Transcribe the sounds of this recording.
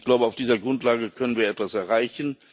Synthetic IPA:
ɡ̥laʊbəaʊfd̥iːzɐɡʁʊntlaːɡəkʰœnənviːɐɛtv̥asɛɐʁaɪçn̩

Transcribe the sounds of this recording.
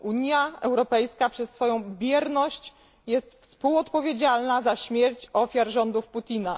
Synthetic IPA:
ʔuɲjaɛwɾɔpɛjskapʂɛsːfɔjɔ̃w̃bʲjɛɾnɔɕt͡ɕ | jɛst̪fspuwɔt̪pɔvʲjed͡ʑalnazaɕmʲjɛɾt͡ɕɔfʲjaɾʐɔnd̪ufput̪ʲina

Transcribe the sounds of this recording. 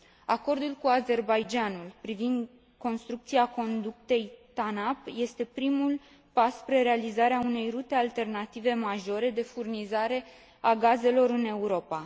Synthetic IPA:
ako̞rd̪ulkuaze̞rbajd͡ʒanulpɾivind̪ | ko̞nst̪ɾuk̚t̪siako̞nd̪uk̚t̪e̞jt̪anapje̞st̪e̞pɾimul | pasːpɾeɾealizaɾeaune̞jrut̪e̞alt̪e̞rnat̪ive̞maʒo̞ɾe̞d̪e̞furnizaɾe̞ | aɡaze̞lo̞ɾɨne̞uɾo̞pa

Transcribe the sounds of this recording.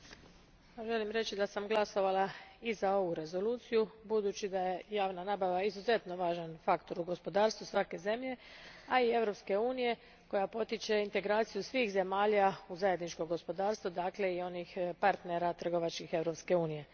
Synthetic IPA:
aʒe̞limɾe̞t͡ʃid̪asamɡlˠaso̞ʋalaizao̞ʋuɾe̞zo̞luːt̪sijubud̪uːt͡ɕid̪aje̞jaːʋnanaːbaʋaizuze̞t̪no̞ʋaːʒanfakt̪o̞ɾuɡo̞spo̞d̪aːɾst̪ʋusʋake̞ze̞mʎe̞aie̞ʋɾo̞pske̞uːnije̞ | ko̞japo̞t̪it͡ʃe̞int̪e̞ɡɾaːt̪sijusʋiːxze̞maːʎauzaje̞d̪nit͡ʃkoɡo̞spo̞d̪aːɾst̪ʋod̪akle̞io̞nixpaɾt̪neɾat̪r̩ɡo̞ʋat͡ʃkixe̞ʋɾo̞pske̞uːnije̞

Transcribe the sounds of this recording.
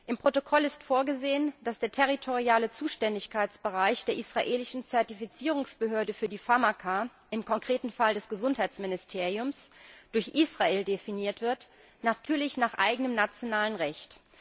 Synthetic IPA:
ʔɪmpʁ̥otokʰɔlɪstfoːɐɡəzeːənd̥asd̥eːɐtʰɛʁ̞itʰoʁiaːlət͡suːʃtɛndɪçkʰaɪt͡sb̥əʁaɪçd̥eːɐʔisʁ̥aʔeːlɪʃn̩t͡sɛɐtifit͡siːʁ̞ʊŋsb̥əɦøːɐdəfyːɐdiːfamakʰa | ʔɪmkʰɔŋkʁ̥eːtn̩faldɛsɡ̥əzʊnthaɪt͡smɪnɪstʰeːʁiʊmsd̥ʊɐçʔiːsʁ̥aeːldefiniːɐtv̥ɪɐt | natʰyːɐlɪçnaːχʔa̰ɪɡənəmnat͡sjonaːlənʁɛçt

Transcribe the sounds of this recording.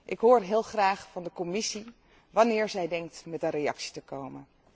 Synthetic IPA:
ʔɪkɦʊːɹɦɪːlˠχraːχfɑndəkɔmɪsi | ʋɑnɪːɹzɛjdɛŋk̚tmɛtənrejɑ̰ksi̥təkowmən

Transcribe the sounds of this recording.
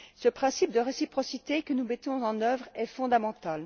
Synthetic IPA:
səpχɛ̃sip̚d̪əʁesipχɔsit̪ekənumet̪ɔ̃zɑ̃nœvʁɛfɔ̃d̪amɑ̃t̪al

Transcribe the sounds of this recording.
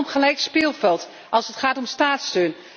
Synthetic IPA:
mχəlɛjkspɪːlˠvɛlˠt | ʔɑlˠsətχaːtɔmstaːtstøːn

